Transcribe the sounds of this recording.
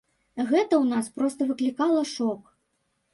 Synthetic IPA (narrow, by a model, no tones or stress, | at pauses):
ɣɛt̪ɐwnaspɾɔst̪ɐvɨklʲikalˠɐʂɔk